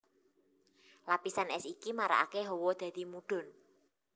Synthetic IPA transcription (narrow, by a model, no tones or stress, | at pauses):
lapisanɛsikimaɾa̰a̰keɦɔwɔd̪̥a̤d̪̥i̤muɖ̥ɔ̤n